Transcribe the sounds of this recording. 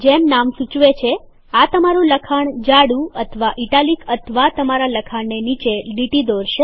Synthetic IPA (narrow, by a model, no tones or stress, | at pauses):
d͡ʒemnamsut͡ʃʋet͡ʃʰe | at̪əmaɾũləkʰaɳd͡ʒaɽũət̪ʰəʋaʔiʈalikʰət̪ʰəʋat̪əmaɾaləkʰaɳnenit͡ʃeɖiʈid̪oɾʃe